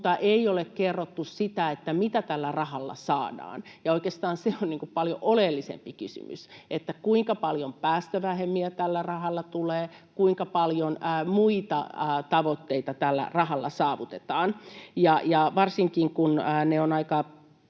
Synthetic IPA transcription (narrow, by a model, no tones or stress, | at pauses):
ut̪ɑʔeiolekkerːot̪ːussit̪æet̪ːæmit̪æt̪ælːærɑhɑlːɑ̰sɑːdɑ̰ːnjɑoikeːst̪ɑːnseonniːŋkuppɑljoʔolelːisḛmpikysy̰my̰sʔet̪ːækuiŋkɑpɑljompæːst̪øʋæhemːiæt̪ælːærɑhɑlːɑt̪uleː | kuiŋkɑpɑljonːmuit̪ɑ̰t̪ɑʋot̪ːeit̪ɑt̪ælːæ̰rɑhɑlːɑ̰sɑːʋut̪et̪ɑːnjɑjɑʋɑrsiŋkiŋkunːneonɑikɑ